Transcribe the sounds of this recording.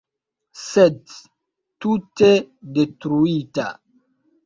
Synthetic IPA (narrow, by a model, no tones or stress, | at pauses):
sed | tutedetɾuita̰